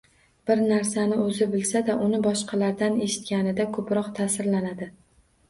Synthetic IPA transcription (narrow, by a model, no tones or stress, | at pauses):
b̥ɪɾnaɾsanɪɵzɪbɪlsad̪aʔʊnɪbɒʃqʰɑlaɾd̪ane̞ʃɪ̥t̪kʲanɪd̪akʰɵpɾɒqt̪ʰaːsɪɾlanad̪ɪ